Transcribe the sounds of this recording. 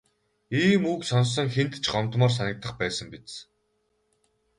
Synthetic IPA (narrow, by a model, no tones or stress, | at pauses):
iːmuksɔns̬ɞ̆ŋxent̪t͡ɕɢɔmt̪mɔːrs̬anʲɪ̆k̚t̪ːə̆χpæːsə̆mpit͡s